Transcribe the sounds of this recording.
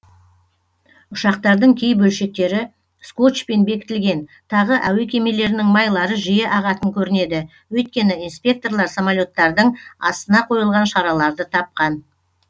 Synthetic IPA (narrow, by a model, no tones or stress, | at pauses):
ʊʃɑq̚t̪ɑɾd̪əɴkʲʰe̞jbɵlʃe̞k̚t̪e̞ɾɪ | sko̞t͡ʃpenbe̞kʲɪ̥t̪ɪlɡʲe̞nt̪ʰɑʁəʔæwe̞kʲʰe̞me̞le̞ɾɪnɪŋmɑjlˠɑɾəʒije̞ʔɑʁɑt̪əŋkʲʰɵɾɪne̞d̪ɪ | wɵjt̪̚kʲe̞nɪijnspʲe̞k̚t̪o̞rlˠɑɾsomalʲo̞t̪ːɑɾd̪əɴɑ̰st̪ənɑqʰo̞jəlˠʁɑnʃɑɾɑlˠɑɾd̪ət̪ʰɑp̚qɑn